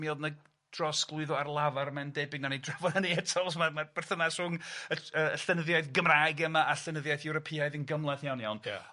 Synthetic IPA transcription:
milˠdnə | d̥rɔsɡ̥lˠʊɨðɔarlˠavarmɛndejbɪɡnanidrɛvɔnaniɛtʰɔlˠsmamab̥ɛrθənasr̥ʊŋəəəɬɛnəðjaɨðɡəmrajɡɛmaʔaɬɛnəðjajθjɛɾɔpʰiaɨðənɡəmlˠɛθjawnjawnj̰

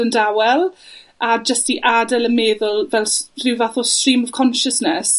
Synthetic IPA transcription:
əndawɛlˠad͡ʒəstiʔadɛləmeːðʊlˠvɛlˠrɪwvaθɔstriːmɔv̥kʰɔnʃəsnɛs

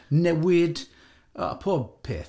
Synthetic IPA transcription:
nɛwɪd | a̰pʰɔpʰɛ̰ː

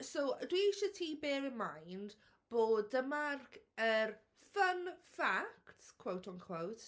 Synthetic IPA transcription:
sowdwiʃətʰibɛːɹɪnmajnd | b̥oːdəmarkʰər | fənfaktskʰw̥owtʰɔnkʰw̥owt

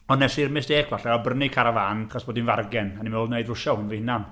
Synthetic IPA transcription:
ɔnɛsirmɪsd̥eːkʰv̥aɬɛɔbrnikʰaɾavaːnχɔsb̥oːdinvarɡɛnanimoːlˠneɨdrʊʃɔhʊnvihɪnan

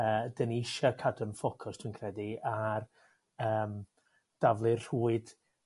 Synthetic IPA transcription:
əːdəniɪʃakʰadɔnfɔkʰʊstʰw̥inkʰrɛdiar | əːm | d̥avlˠɨrr̥uːɨd̥

